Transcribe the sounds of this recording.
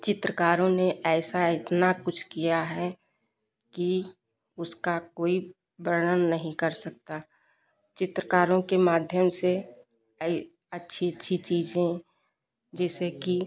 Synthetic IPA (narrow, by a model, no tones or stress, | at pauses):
t͡ʃɪt̪ɾəkaːɾõneʔɛːsaɪt̪nakʊt͡ʃʰkijaɦɛ | ki | ʊskakoːi | bɾəɽənːəɦĩkɐɾsɐk̚t̪a | t͡ʃɪt̪ɾəkaːɾõkemaːd̪ʱjəmse | ɐtːʃʰiətːʃʰit͡ʃiːd͡ʒẽ | d͡ʒɛːseki